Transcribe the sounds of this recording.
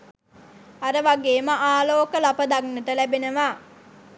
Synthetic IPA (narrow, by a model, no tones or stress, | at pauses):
aɾəʋaɡeːməʔaːloːkəlapəd̪aknəʈəlæbenəʋaː